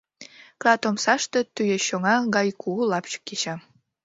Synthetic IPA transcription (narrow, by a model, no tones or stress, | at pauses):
klɑt̪omsɑʃt̪et̪yjeɕoŋɑɣɑjkʰulɑpt͡ɕə̥kːeɕɑ